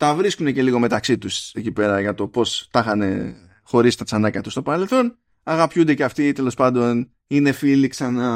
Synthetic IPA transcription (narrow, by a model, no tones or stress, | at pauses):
t̪ɐvɾiskune̞ce̞liɣo̞me̞t̪ɐksit̪usecipe̞ɾɐʝɐt̪o̞po̞st̪ɐxɐne̞̰ | xo̞ɾist̪ɐt͡sɐnɐcɐt̪u̥st̪o̞pɐɾelθo̞n | ɐɣɐpçund̪e̞ceɐft̪it̪e̞lo̞spɐnd̪o̞n | ine̞filiksɐnɐ